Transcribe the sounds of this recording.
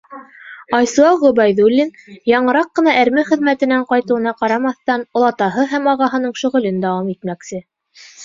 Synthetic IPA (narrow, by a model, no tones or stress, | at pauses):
ɑjsuɑʁɵbæjðulʲːinjɑɴɤ̆ɾɑqːɤ̆nɑʔæɾmɘχɘ̆ðmæt̪ɘ̆næɴqɑjt̪ɤ̆ɤ̆nɑqɑɾɑmɑθt̪ɑnŏlˠɑt̪ɑɦɤɦæmɑʁɑɦɤ̆nɤɴʃɵ̆ʁɵ̆lɘnd̪ɑwɑmit̪mæksɘ